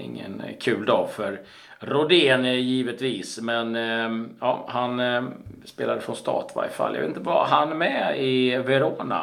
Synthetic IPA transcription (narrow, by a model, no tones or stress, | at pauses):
ɪ̰ŋːə̰nkʰʉ̟ːld̪ɑːfœɾ | ɾʊd̪eːnjiːvət̪viːsmɛn | ɑːhanspeːlad̪əfɾɔnst̪ɑ̰ːt̪va̰ɾɪfa̰ljɑ̰vet̪t̪əva̰ɦanmɛɪvɛɾoːna̰